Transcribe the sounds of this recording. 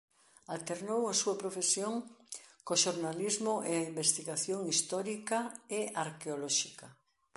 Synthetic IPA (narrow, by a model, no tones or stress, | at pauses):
alt̪eɾnowasuɐpɾofesjoŋkoʃoɾnalizmoʔeaimbest̪iɣaθjoŋist̪ɔɾikɐeʔaɾkeolɔʃikɐ